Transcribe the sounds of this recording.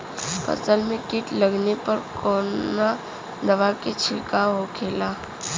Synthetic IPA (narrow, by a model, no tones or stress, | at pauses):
pɐ̰zəlmẽkɪʈlɐɡnepɐɾkɔːna | d̪ɐʋaket͡ʃʰɪlkaɦokʰeːlaː